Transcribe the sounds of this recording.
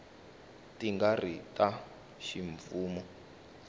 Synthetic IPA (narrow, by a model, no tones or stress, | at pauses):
tiŋɡaritʼa | ʃiɱfuːmu